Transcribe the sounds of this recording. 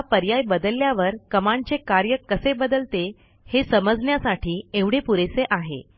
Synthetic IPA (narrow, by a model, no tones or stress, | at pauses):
apəɾjajbəd̪əlːjaʋəɾkəmaɳt͡sekaɾjəkəsebəd̪əlt̪e | hesəməd͡zɳjasaʈʰiːeʋɽ̤epuɾeseʔaɦḛ